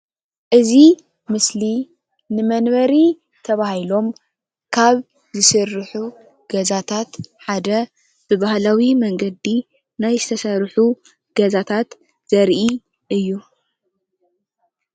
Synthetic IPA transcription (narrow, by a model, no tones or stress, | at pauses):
ʔɨzi | mɨsli | nɨmɐnbɐɾi | t̪ʰɐβahilo̞m | kʰaβ | zɨsɨrːħu | ɡ̥ɐzat̪ʰat̪ħad̪ɐ | b̥ɨβahlawimɐŋɡɐd̪i | najzɨt̪ʰɐsɐɾħu | ɡ̥ɐzat̪ʰat̪ | z̥ɐɾʔi | ʔɨjːu